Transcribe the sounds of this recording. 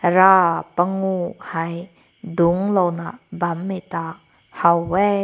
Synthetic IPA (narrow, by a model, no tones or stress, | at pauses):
ɾapaŋuhaj | duŋlɔwnabamːit̪a | hawːe